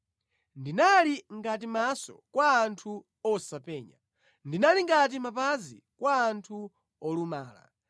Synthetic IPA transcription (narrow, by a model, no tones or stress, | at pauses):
ndinaliŋɡat̬imasɔ̰kwaːntʰu | ɔsapɛːɲa̰ | ndinaliŋɡat̬imapazi | kwaːntʰu | ɔluma̰ːla̰